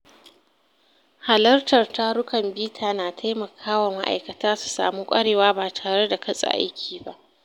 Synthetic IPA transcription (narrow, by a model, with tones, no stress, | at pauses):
ha˨lɐ˦rtɐ˨rta˦ɽʊ˦kɐ˨mbiː˦tʰaː˨naː˨tʰa˦jmɐ˨kʰaː˦wɐ˨ma˦ʔa̰˨jkɐ˨taː˦su̥˨sa̰ː˨mu˦kʷʼɐ˦ɽeː˨waː˦baː˨tʰaː˨ɽe˦da˨kʰɐ˦sʼa̰˨ʔa̰˦jkʲʰiː˨ba˦ʔ